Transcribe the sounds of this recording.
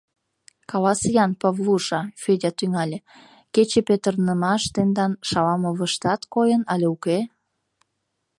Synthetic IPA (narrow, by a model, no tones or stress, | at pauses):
kɑlɑsjɑnpɑβluʃɑfedʲɑt̪yŋɑlʲe | ket͡ɕepet̪ərnəmɑʃt̪end̪ɑnʃɑlɑmoβəʃt̪ɑt̪kojənɑlʲeuke